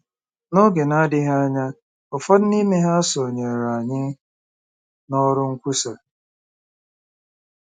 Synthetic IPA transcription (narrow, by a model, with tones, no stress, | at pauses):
no˦ɡe˨na˦dɪ˦ɦa˦ɲa˦ | ɔ˨fɔ˦d̩˦ni˦me˦ɦa˦a˦so˨ɲe˨ɾa˨ɲɪ˦ | nɔ˦ɾʊ˦ŋ̩˦kʷu˦sa˨